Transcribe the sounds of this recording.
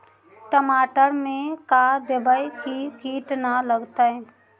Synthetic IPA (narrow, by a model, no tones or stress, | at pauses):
ʈəmaːʈəɾmẽkad̪ebəjkikiːʈnaləɡt̪ə